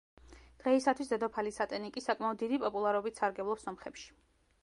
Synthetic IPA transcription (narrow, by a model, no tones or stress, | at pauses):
d̪̥ʁɛisat̪ʰwisd̪ɛd̪ɔpʰalisat̪ʼɛnikʼisakʼmaɔd̪ːid̪ipʼɔpʼulˠaɾɔbit̪ʰsaɾɡɛblˠɔpsɔmχɛpʃi̥